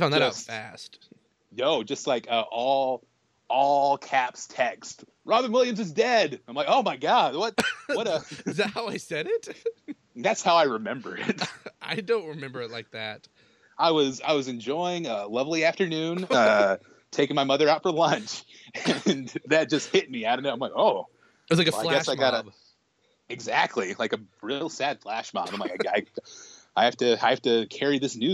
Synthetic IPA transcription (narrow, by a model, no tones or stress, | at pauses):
fãʊ̃nðɨɾaʊsfæ̰st | noʊd͡ʒʌstˡlaɪkʌʔɔlˠ | ʔɔlˠkʰæpstʰɛkst | ɹɑbə̃˞nwɪlˠjɨ̃mzɨzdɛdãɪ̃mlaɪkoʊmaɪɡɑd̥̚wʌt̚wʌɾʌzðæt̚haʊaɪsɛɾɪt̚ | ðætshaʊaɪɹɨmɛ̃mbə˞ɪ̰t̚ʔaɪdõʊ̃nt̚ɹɨmɛ̃mbə˞ɨtˡlaɪk̚ðæt̚ | aɪwʌza̰ɪwʌzɨ̃nd͡ʒɔɪɪ̃ŋʌlʌvliæftə˞nʉ̃nʌ | tʰeɪkɪ̃ŋmaɪmʌðə˞aʊtfə˞lʌ̃nt͡ʃ | ɨ̃nðɨt̚d̥ʒ̥ʌst̚hɪt̚miaʊɾɨ̃noãɪmlaoʊ | wʌzlaɪkɨfaɪlɡɛsaɪɡɑɾɨb | ɨɡzæk̚tʰˡlilaɪkɨɹilˠsæd̥flæʃmɑ̰m̃ãmlaɪkaɪaɪ | aɪhæftɨaɪhæftɨkʰɛɹiðɪsnʉ